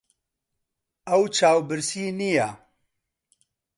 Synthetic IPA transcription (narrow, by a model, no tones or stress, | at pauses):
ɐwt͡ʃʰaːwbɨɾsiːnija